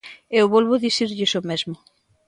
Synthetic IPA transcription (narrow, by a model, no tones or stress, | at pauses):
ewβɔlβʊðiθiɾʎɪsomezmʊ